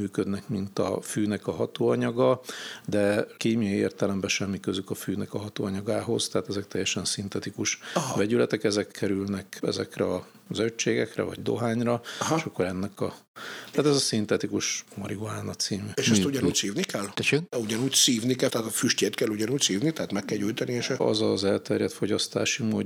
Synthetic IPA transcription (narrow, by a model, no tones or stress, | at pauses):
myːkød̪nɛkmint̪ɒ̰fyːnɛkɒɦɒt̪oːɒɲɒɡɒd̪ɛkeːmijɒiḛːrt̪ɛlɛmbɛʃɛmːikøzykɒfyːnɛkɒɦɒt̪o̰ːɒɲɒɡaːɦo̞zt̪ɛaːt̪ɛzɛk̚t̪ɛjːɛʃɛnsint̪ɛt̪ikuʃvɛɟylɛt̪ɛkɛzɛkʰːɛɾylnɛkɛ̰zɛkrɛɒ | zøt͡ʃːeːɡɛkrɛ̰vɒ̰ɟd̪o̞̰ɦaːɲrɒeʃɒkːoɾɛnːɛkɒt̪aːt̪ɛzɒsint̪ɛt̪ikuʃmɒɾiɡuaːnɒt̪siːmeːʃɛst̪uɟɔnuːcsiːvnikɛlt̪ɛʃeɡuɟɒnuːɟsiːvnikɛlt̪aat̪fyʃceːt̪kɛlːuɟɒnuːcsiːvnit̪ɛɦat̪mɛkːɛlɟuːjt̪ɒnieːʃɛɒ̰zɒzɛlt̪ɛrjɛt̪fo̞ɟɒst̪a̰ːʃimoːd